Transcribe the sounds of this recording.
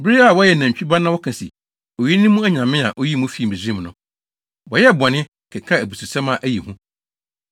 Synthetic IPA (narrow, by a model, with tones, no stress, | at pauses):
bɾe˦a˦˨wɔ˦jɛ˨næ̃˨ɲ˨t͡ɕᶣi˦ba˦nã˦wɔ˦kʰã˨sḭ˨ | o˨ji˦nĩ˦mũ˦æ˦ɲã˨mɪ̃˦a̰˨ʔo˦ji˦mũ˦fi˦˨bi˨zĩ˦m˨nʊ̃˨ | wɔ˨jɛ˦˨bɔ˨nɪ̃˦ | kʰɛ˨kʰa˦æ˨bu˨su˨sɛ̃˦mã˨ʔæ˦ji˨hũ˦